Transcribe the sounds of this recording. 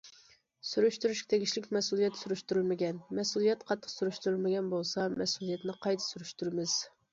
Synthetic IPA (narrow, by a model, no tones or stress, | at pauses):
syɾyʃt̪yɾyʃʲt̪ʰeɡʲiʃlɪkʲmɛsulˠijɛt̪suɾyʃt̪uɾylmɪɡʲɛnmɛsulˠijɛt̪qʰɑt̪ʰːə̥qsuɾyʃt̪uɾylmɪɡʲɛnbolˠsɑmɛsulˠijɛt̪nɪqʰɑjt̪ʰɨ̥syɾyʃt̪yɾmɪz̥